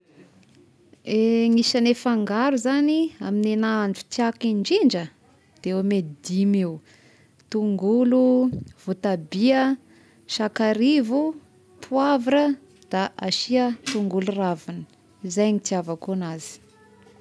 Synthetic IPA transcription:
eŋisənefaŋɡaɾuzaniaminenaɳɖ͡ʐut̪iakiɳɖ͡ʐiɳd͡ʒə | d̪̥eomed̪imew | t̪uŋɡuluv̥ot̪abiə | ʃakaɾivu | pʰuavaɾə | d̪̥aʔaʃiət̪uŋɡuluravanə̥ | izajŋit̪iavakonazi̥

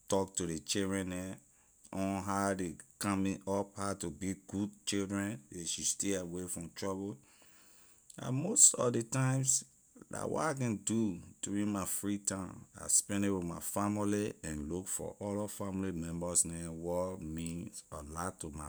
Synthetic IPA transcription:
tɔk̚tuɾet͡ʃildɹɛ̃nɛ | ɔ̃nɦadekãmĩɔphatubiɡud̚t͡ʃildɹɛ̃neʃisteawefɹɔ̃mtɹɔbo | ã̰mostɔ̰fdetãɪ̃ms | la̰wɔ̰takɛ̃ndutuɹĩmafɹitãma̰spɛ̃ndewimafamiliɛ̃nlukfɔ̰ʔɔlɔfãmlimɛ̃mbɔsnɛwɔmĩnsalatuma

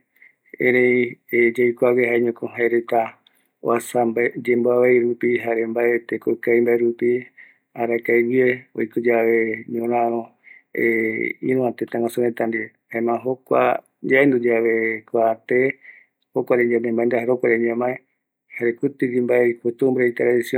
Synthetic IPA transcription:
ḛɾejed͡ʒajkʷaβehaeɲõkõɦaeɾet̪a | o̰asambd͡ʒemboaβajɾupiɦaɾembaet̪ekokajmbaeɾupi | aɾakajβieo̰jkud͡ʒaʋeɲõɾãɾ̃õ | ḛḭ̃ɾũãt̪et̪ãŋãsuɾẽt̪and̪i | haemãɦokʷa̰ | d͡ʒaend̪ud͡ʒaβe̞kʷat̪e | hokʷaɾeɲd͡ʒamẽmãẽnd̪aheɾokʷaɾeɲãmae | haɾekɨt̪ɨd͡ʒimbaekʷut̪umbɾeit̪ɾaðisiõ

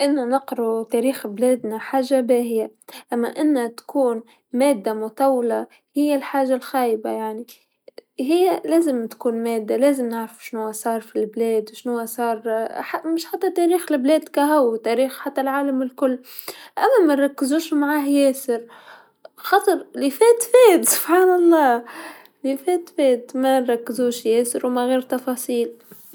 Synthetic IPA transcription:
ʔɪnːanɑqɾut̪eːɾiːxbleːd̪naħaːʒːabeːhɪja | ʔamːa̰ʔɪnːat̪ḁkʰuːn | meːd̪ːamʊt̪ˤawla | hɪjːalħaːʒalxaːjba̰jaʕni | ɦɪjːleːzɪmt̪kuːnmeːd̪ːaleːzɪmnɪʕɾfu̥ʃnʊwasˤɑːɾˤfilbleːd̪wʃnʊwːasˤɑːɾˤħamɪʃħat̪ːat̪aːɾiːxlɪbleːd̪kaɦawt̪aːɾiːxħat̪ːalʕaːlamɪlkʊlːʔamːamanɾˤɑkːɪzuːʃmaʕaːɦjeːsɪɾ | xɑt̪ˤɨɾˤlifeːt̪feːt̪sʊ̥b̥ħaːnɑlˤːɑː | lifeːt̪feːt̪manɾˤɑkːɪzuːʃjeːsɪɾwmaɣeːɾt̪ɑfɑːsˤiːl

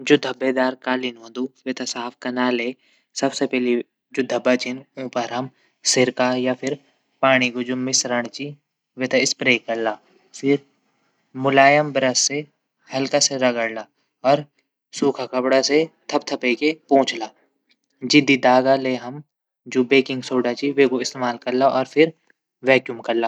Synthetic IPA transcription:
d͡ʒʊd̪ʱəbed̪aːɾkaːlɪnɦõːd̪uʋet̪ʰasaːfʰkɐnaːle | sɐbsepɛɦli | d͡ʒʊd̪ʱːəbːat͡ʃinʊ̃ːpɐɾɦɐm | sɪɾkajapʰɪɾ | paːɽ̃iɡʊd͡ʒʊmːɪsɾəɽ̃t͡ʃi | ʋet̪ʰaɪspɾeːkɐɾlaː | fʰɪɾ | mʊlaːjəmbɾəsːe | hɐlkaseɾɐɡəɽla | ɔːɾ | suːkʰakɐpɽaset̪ʰɐp̚t̪ʰɐpekepõːt͡ʃlaː | d͡ʒɪd̪id̪aːɡaleɦɐm | d͡ʒoːbeːkɪ̃ŋɡsoːɖat͡ʃiʋeːkoɪst̪eːmaːlkɐɾlaʔɔːɾpʰɪɾ | ʋɛːkjumkɐɾlaː

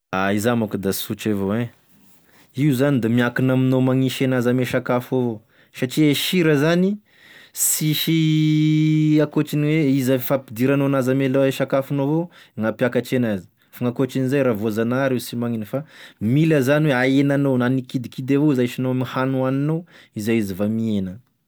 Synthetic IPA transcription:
aizamakud̪asut͡ʃavoẽ | iuzanid̪amiakinaminomaŋiʃenazameʃakafovo | saʈ͡ʂieʃiɾəzani | siʃi | akot͡ʃiniweizafapid̪iɾanoanazameleʃakafanovoŋapjakaʈ͡ʂenazi̥ | faŋakoʈ͡ʂinizajɾavozanaɾewsimaŋinəfamiləzaniweaenanownanikid̪ikid̪evoizaʃinoamihanuaninow | izajizivamienə

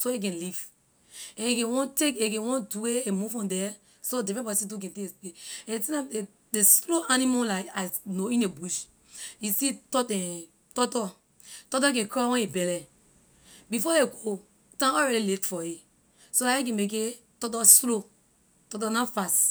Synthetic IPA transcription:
soek̬ɛ̃nliv | ɛ̃ekɛ̃nwɔ̃ntekekɛ̃wɔ̃nduweemuvɔ̃ndɛ | sodevɛbɔisidukɛ̃tɛ̃tĩnae | desloʔanimolaɪkanoĩnebuʃ | isitɔtɛ̃ | tɔtɔ | tɔt̬ɔkɛ̃kɹawɛ̃nibɛlɛ | bifɔeɡo | tãɔɹɛɾiletfɔi | solaɛ̃kɛ̃mek̬e | tɔt̬ɔslo | tɔt̬ɔnafast

